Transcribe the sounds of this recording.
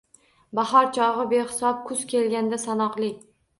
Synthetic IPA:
baɦɒɾt͡ʃʰɒʁɨbe̞hɪsɒp̚kʰʊz̥kʲe̞lɡʲand̪asanɒqlˠɪ

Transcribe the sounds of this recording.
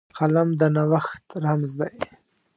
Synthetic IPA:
qalamd̪ənawaxt̪ɾamzd̪aj

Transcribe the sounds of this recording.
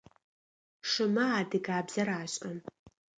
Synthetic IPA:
ʂɨmɐaːdɨɡaːbz̥ɐɾaːɕʼɐm

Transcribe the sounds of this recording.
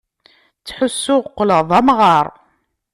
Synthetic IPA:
t͡sːħʊsːʊʁqːləðˤɑmʁɑɾˤ

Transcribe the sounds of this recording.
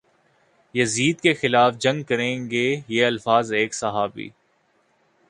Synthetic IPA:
jɐziːd̪̚kexɪlaːfd͡ʒɐ̃ŋɡkɐɾẽːɡejeɐlfaːzeːksɐɦaːbḭː

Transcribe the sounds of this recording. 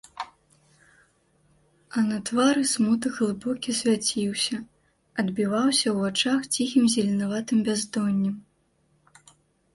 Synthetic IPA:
ɐnɐt̪vaɾɨsmut̪ɨɣlˠɨbɔkʲisʲvʲat͡sʲiwsʲɐ | ɐd̪bʲivawsʲɐwvat͡ʂaxt͡sʲixʲimzʲɛlʲɛnavat̪ɨmbʲazd̪ɔnʲːɛm

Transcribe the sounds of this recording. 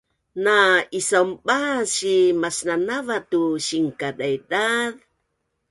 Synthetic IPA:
naisaumbaɕimasnanavatuɕiŋkadajdað

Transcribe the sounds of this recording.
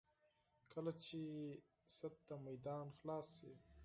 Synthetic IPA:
kʰəlat͡ʃe | sat̪ːamajd̪ɑːnxlɑːsːe

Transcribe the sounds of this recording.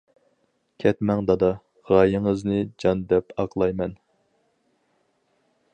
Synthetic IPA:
kʲʰɛt̪mɛŋd̪ɑd̪ɑ | ʁɑjɪŋɨznɨd͡ʒɑnd̪ɛpʰɑqlˠɑjmɛn

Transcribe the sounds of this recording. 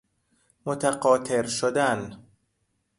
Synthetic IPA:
mot̪ʰæɢɒːt̪ʰeɾʃod̪æn

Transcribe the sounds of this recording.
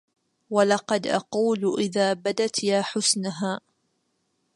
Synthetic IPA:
walɑqɑd̪ʔɑ̰quːlʔɪðaːbad̪at̪jaːħʊsnaɦaː

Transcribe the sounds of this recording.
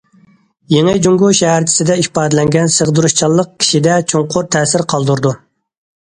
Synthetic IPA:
jeŋɨd͡ʒuŋɡuʃɛɦæɾt͡ʃʰi̥sɪd̪ɛiʃpɑːd̪ɪlɛŋɡʲɛnsəʁd̪uɾuʃt͡ʃʰɑlˠːəq̚kʲʰi̥ʃid̪ɛt͡ʃʰoŋqʰʊɾt̪ʰɛːsɪɾqʰɑlˠd̪uɾd̪u

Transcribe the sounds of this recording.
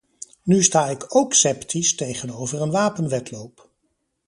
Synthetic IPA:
nystaːɪkowksɛptʰistejχənowvərənʋaːpənʋɛtlowp

